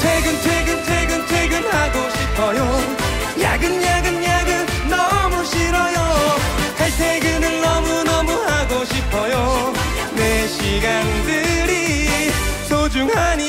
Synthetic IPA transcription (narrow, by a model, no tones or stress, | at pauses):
t͡ɕʰweɡɯnt͡ɕʰweɡɯnt͡ɕʰweɡɯnt͡ɕʰweɡɯmhaɡoɕʰipʰʌjo | ja̰ɡɯnjaɡɯnjaɡɯn | nʌmuɕʰiɾʌjotʰetʰeɡɯnɯnnʌmunʌmuɦaɡoɕʰipʰʌjo | neɕʰiɡandɯɾi | sʰod͡ʑuŋɦaɲi